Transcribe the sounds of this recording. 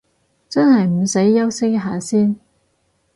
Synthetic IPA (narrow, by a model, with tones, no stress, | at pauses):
t͡sɐ˥nɦɐ˨jm̩˨˩se˨˥jːɐ˥wsɪ˥kɦaː˨˩siː˥n